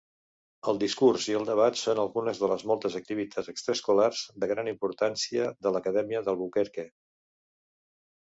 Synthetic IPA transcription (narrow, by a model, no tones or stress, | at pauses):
əlˠd̪iskurziəlˠd̪əβ̞at̪sonəlˠɣunəzðələzmɔlˠt̪əzək̚t̪iβit̪ʰazəkst̪ɾəskularz̥d̪əɣ̞ɾanimpuɾt̪ansiəðələkəðɛmiəðəlˠβukeɾke